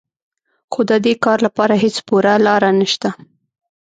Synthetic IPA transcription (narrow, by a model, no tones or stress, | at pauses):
xod̪əd̪ekɑɾlapɑɾaɦet͡spuɾalɑɾanəʃt̪a